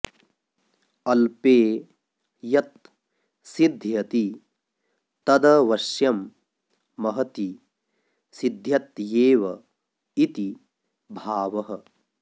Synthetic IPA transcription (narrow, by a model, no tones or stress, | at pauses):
ɐlpeː | jɐt̪̚ | sid̪ʱjɐt̪i | t̪ɐd̪ɐʋɐʃjɐmː | ɐɦɐt̪i | sid̪ʱjɐt̪jeːʋɐ | it̪i | bʱaːʋɐɦɐ